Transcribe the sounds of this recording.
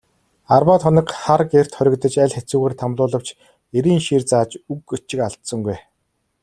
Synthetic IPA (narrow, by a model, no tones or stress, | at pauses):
arwaːt̪χʰɔnɪ̆kχarɡer̥t̪χœɾʲɪ̆kt̪ə̆t͡ɕæɮʲxet͡suːɣeːrt̪ʰamɮʊːɮə̆w̥t͡ɕ | eɾiːŋʃirt͡saːt͡ɕukɵt͡ɕɪ̆kaɮt̪sɞ̆ŋɡuj